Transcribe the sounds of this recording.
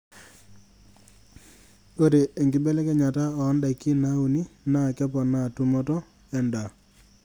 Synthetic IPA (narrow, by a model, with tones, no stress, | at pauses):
o˦ɾe˨e˨ŋɡɪ˦bɛ˦lɛ˦kɛ˦ɲa˨ta˦ɔː˨˦nda˨i˨ki˦˨na˦u˨ni˦na˦˨kɛ˦pɔ˨na˦˨tu˦mɔ˦tɔ˦ | ɛ˨nda˨